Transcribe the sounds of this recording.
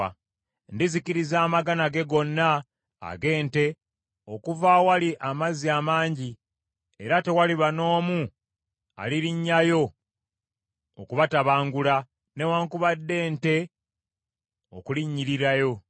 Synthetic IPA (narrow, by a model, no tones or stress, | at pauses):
ndiziciɾizaːmaɡanaɡe̞ɡo̞nːa̰ː | ɡe̞ːnte̞ | o̞kuvawaliʔamaziamaːɲɟi | eɾate̞waliβano̞ːmu | a̰liɾiɲːajo̞ | kuβataβaːŋɡula | ne̞waːŋkuβadːe̞ːnte̞ | o̰kuliɲːiɾiɾajo̞